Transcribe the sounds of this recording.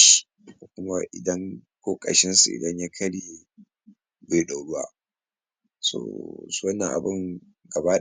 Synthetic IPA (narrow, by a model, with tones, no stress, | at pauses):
kːkʷʊ˦ma˦ʔɪ̰˨dɐ˦ŋkʷoː˦kʼɐ̰˨ʃɪ˦nsu˨ʔɪ̰˨dɐ˦ɲja˦kʰɐ˦ɽiː˨ | beː˨ɗa˨ɽʊ˦wa̰˦˨ | so̰˦˨swɐ˦nːɐ˨ŋʔa̰˨bɪ˦ŋ | ɡɐ˨baː˦